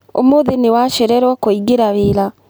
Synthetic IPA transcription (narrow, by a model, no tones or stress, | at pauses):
o̰moðenewaʃɛɾɛɾwɔkoiɡeɾaβeɾa